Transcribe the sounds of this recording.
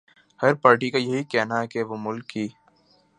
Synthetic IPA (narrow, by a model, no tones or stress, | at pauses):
hɐɾpaːɾʈikajɐɦikɛɦnaɦkeʋomʊlkɦiː